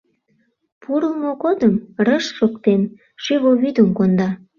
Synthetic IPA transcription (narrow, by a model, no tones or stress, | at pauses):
puɾəmoɣod̪əmrəʃːokt̪en | ʃyβoβyd̪əmkond̪ɑ